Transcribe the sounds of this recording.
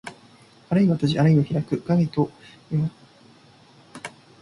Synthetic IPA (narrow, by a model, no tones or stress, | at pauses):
aɾɯiβat̪aʑiʔaɾɯ̟iβaçʲiɾakɯ̟ɡaɡait̪o | imasɨ̥